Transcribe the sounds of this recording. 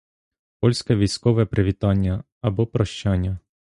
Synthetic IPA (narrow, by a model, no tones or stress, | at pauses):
pɔlʲsʲkɛʋʲijsʲkɔʋɛpɾɪʋʲit̪ɑnʲːɐ | ɐbɔpɾɔʃt͡ʃɑnʲːɐ